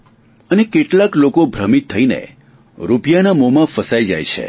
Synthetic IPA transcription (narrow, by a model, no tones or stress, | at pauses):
ənekeʈlaklokobʱɾəmit̪ʰːəinḛ | ɾupjanamomãfəsaid͡ʒa̰jt͡ʃʰḛ